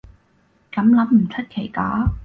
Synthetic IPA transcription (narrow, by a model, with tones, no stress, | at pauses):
kɐ˨˥mlɐ˨˥mm̩˨˩t͡ʃʰɵ˥t̚kʰe˨˩jkaː˨˥